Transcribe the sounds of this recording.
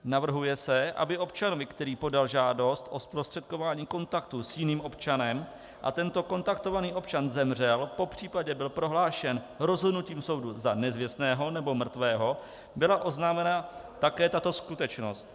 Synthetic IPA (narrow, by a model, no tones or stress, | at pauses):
navr̩ɦujɛsɛʔa̰bɪʔo̞pt͡ʃanovɪkt̪ɛɾiːpo̞dalʒaːdo̞st̪ʔo̞spɾost̪r̥ɛt̪̚ko̞vaːɲiːko̞nt̪akt̪usjɪniːmʔo̞pt͡ʃanɛm | ʔa̰t̪ɛnt̪o̞ko̞nt̪ak̚t̪o̞vaniːʔo̞pt͡ʃanzɛmr̝ɛlpo̞pr̝̥iːpaɟɛbɪlpɾo̞ɦlaːʃɛn | ɾo̞zɦodnuciːmso̞wduzanɛzvɪst̪nɛːɦo̞nɛbo̞mr̩t̪vɛːɦo̞ | bɪlaʔo̞znaːmɛnat̪akɛːt̪at̪o̞skut̪ɛt͡ʃno̞st̪